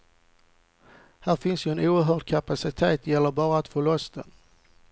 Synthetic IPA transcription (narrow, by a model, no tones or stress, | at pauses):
hæːɾfɪnsjɵɛnuːəɾɦœːɖ̚kʰapasɪt̪ʰeːt̪jɛlːəɾbɑːɾaːt̪foːlɔst̪ʰən